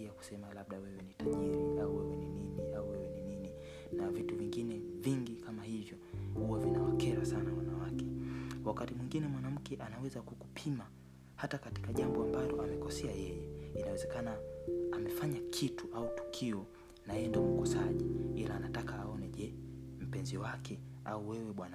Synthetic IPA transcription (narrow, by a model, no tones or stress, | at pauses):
iaku̥sɛmalaɓɗawɛwɛnitaʄiɾiauwɛwɛnininiauwɛwɛninini | navituviŋɡinɛviŋɡikʰamahivjɔhuwavinawakɛɾasanawanawakɛwakatimwiŋɡinɛmwanam̩kʰɛʔanawɛzakukupʰima | hatakati̥kaʄambɔambalɔamɛkɔsɛajɛjɛinawɛzɛkanaːmɛfaɲakʰituautu̥kʰiɔ | naɛndamukɔsaʄiilaːnatakaːɔnɛʄɛm̩pɛnziwakʰɛauwɛwɛɓwana